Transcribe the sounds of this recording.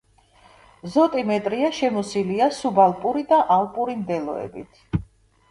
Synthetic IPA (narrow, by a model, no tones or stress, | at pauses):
zɔt̪ʼimɛt̪ʼɾiaʃɛmɔsiliasubalˠpʼuɾid̪aʔalˠpʼuɾimd̪ɛlˠɔ̰ɛ̰bḭt̪ʰ